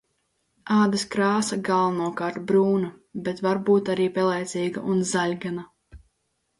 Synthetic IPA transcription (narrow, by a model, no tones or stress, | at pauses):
aːd̪iskɾaːsaɡalˠvanuɔkɑːɾt̪bɾuːnabɛt̪vaɾbuːt̪aɾiːpɛlˠɛjt̪siːɡa̰ʔunzalʲɡana